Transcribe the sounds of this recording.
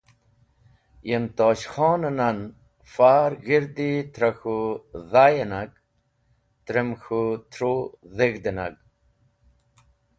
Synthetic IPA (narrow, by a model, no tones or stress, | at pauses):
jemt̪oːɕxoːnɐnan | faːɾɣiɾd̪it̪ɾaxuðajenaɡ | t̪ɾemxut̪ʰɾoðeɣd̪ena̰ɡ̚